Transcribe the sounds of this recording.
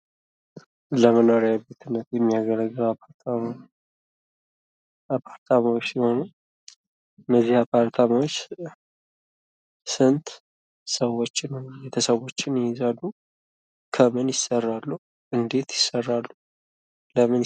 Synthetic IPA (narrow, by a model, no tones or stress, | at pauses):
ləmənoɾjabet̪ʰɨnːət̪jɛmːijaɡələɡəwap̪ | apʰaɾt̪ʰamawot͡ʃːsihonu | ɨnːəzːihapʰaɾt̪ʰamawot͡ʃː | sɨnt̪ | səwo̞t͡ʃːɪnbe̞t̪ʰəsəwo̞t͡ʃːɪnɪɪzalːu | kʰəmɨnjɪsːərːalːu | ʔɨnd̪e̞t̪jɪsːərːalːu | ləmɨn